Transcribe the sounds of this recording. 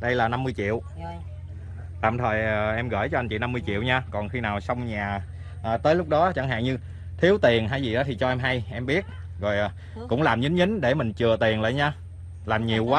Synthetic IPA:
ɗə˧jlaː˨˩na˧mːɨ˧əjt͡ɕḭ˧˨əw | t̪a̰ː˧˨mt̪ʰəː˨˩jʔə˨˩ʔɛ˧mɣə̰ː˧˩jt͡ɕɔ˧ʔa˧nt͡ɕḭ˧˨na˧mːɨ˧jt͡ɕḭ˧˨əwɲaː˧kɔ˨˩nxi˧naː˨˩wsa˧wŋ͡mɲaː˨˩ | ʔəː˨˩t̪əː˨˦jlʊ˦˥k͡p̚ɗɔ˨˦t͡ɕa˧˩ŋɦa̰ː˧˨ŋɲɨ˧ | t̪ʰi˨˦əwt̪i˨˩ənɦaː˧˨jzi˨˩ɗɔ˨˦t̪i˨˩t͡ɕɔ˧ʔɛ˧mɦa˧jʔɛ˧mɓi˦˥ət̚ | zɔ˨˩jʔ | kʊ̰˧˥ŋ͡mlaː˨˩mɲɨ˨˦ŋ̟ɲɨ˨˦ŋ̟ɗe˧˩mï˨˩ŋ̟t͡ɕɨ˨˩ət̪i˨˩ənlə̰ː˧˨jɲaː˧ | laː˨˩mɲi˨˩əwkwaː˨˦

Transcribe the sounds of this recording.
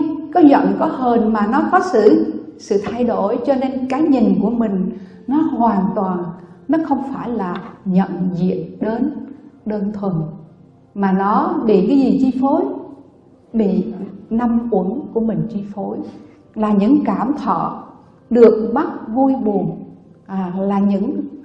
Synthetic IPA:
kɔ˨˦zə̰˧˨nkɔ˨˦ɦəː˧˩nmaː˨˩nɔ˨˦fɔ˨˦sɨ̰˧˩˨sɨ̰˧˨t̪ʰa˧jɗo˧˩jt͡ɕɔ˧ne˧nkaː˨˦jɲi˨˩ŋku˧˩əmï˨˩ŋ̟ | nɔ˨˦hwaː˨˩nt̪waː˨˩nnɔ˨˦xə˧wŋ͡mfaː˧˩jlaː˨˩ɲə̰˧˨nzḭ˧˨ətɗe˨˦nɗəː˧nt̪ʰwə˨˩n | maː˨˩nɔ˨˦ɓḭ˧˨kaː˨˦jzi˨˩t͡ɕi˧fo˨˦j | ɓḭ˧˨na˧mkwə˧˦nku˧˩əmï˨˩ŋ̟t͡ɕi˧fo˨˦j | laː˨˩ɲɨ̰˧˥ŋkaː˧˩mt̪ʰɔ̰˧˨ | ɗɨ˨˩ək̚ɓa˦˥t̚vu˧jɓu˨˩ən˨˩ | laː˨˩ɲɨ̰˧˥ŋ

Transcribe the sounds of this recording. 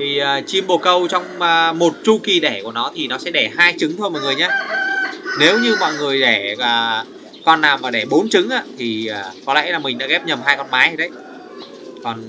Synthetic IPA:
t̪ʰi˨˩əː˨˩t͡ɕi˧mɓo˨˩kə˧wt͡ɕɔ˧wŋ͡məː˨˩mo˨˩t̚t͡ɕu˧ki˨˩ɗɛ˧˩ku˧˩ənɔ˨˦t̪ʰi˨˩nɔ˨˦sɛ̰˧˥ɗɛ˧˩haː˧jt͡ɕɨ˨˦ŋt̪ʰo˧jmɔ̰˧˨jŋɨ˨˩əjɲaː˧ | ne˨˦wɲɨ˧mɔ̰˧˨jŋɨ˨˩əjɗɛ˧˩aː˨˩ | kɔ˧nːaː˨˩wmaː˨˩ɗe˧˩ɓo˨˦nt͡ɕɨ˨˦ŋʔaː˧t̪ʰi˨˩əː˨˩kɔ˨˦lɛ̰˧˥la˨˩mï˨˩ŋ̟ɗa̰ː˧˥ɣɛ˦˥p̚ɲə˨˩mhaː˧jkɔ˧˩nmaː˨˦jhə˧˩ɗə˨˦j | kɔ˨˩n

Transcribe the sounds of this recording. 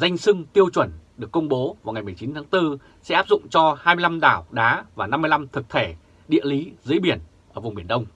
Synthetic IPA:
za˧jŋ̟sɨ˧ŋt̪i˧əwt͡ɕwə˧˩nɗɨ˨˩əkːə˧ŋ͡mɓo˨˦vaː˨˩wŋa˨˩jmɨ˨˩əjt͡ɕi˨˦nt̪ʰaː˨˦ŋt̪ɨ˧ | sɛ̰˧˥ʔaː˦˥p̚zʊ̰˧˨ŋ͡mt͡ɕɔ˧haː˧mɨ˧la˧mɗaː˧˩wɗaː˨˦vaː˨˩na˧mːɨ˧jla˧mt̪ʰɨ˨˩k̚t̪ʰe˧˩ | ɗḭ˧˨əli˨˦zɨ˨˦jɓi˧˩ən | ʔəː˧˩vʊ˨˩ŋ͡mɓi˧˩ənɗə˧wŋ͡m

